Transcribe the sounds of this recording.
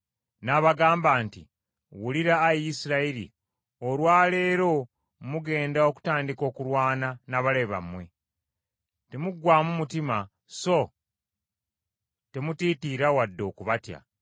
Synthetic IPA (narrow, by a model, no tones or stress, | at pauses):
naβaɡaːmbaːntḭ | wuliɾaːjisiɾaiɾḭ | olwaːle̞ːɾo̞ | muɡe̞ːndao̞ku̥taːndiko̞ːkuɾwaːnanaβaleβa̰mwe̞̰ | te̞muɡwaːmumutima | so̞ | te̞mutiːtiɾawadːo̞ːkuβatja̰